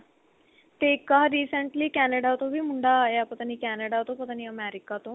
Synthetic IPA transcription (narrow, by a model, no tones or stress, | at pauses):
t̪ekaɾiːsəɳʈliːkænəɽat̪obʱiːm̤uɳɖajapət̪aniːkænəɽat̪opət̪aniːəmɛɾikat̪o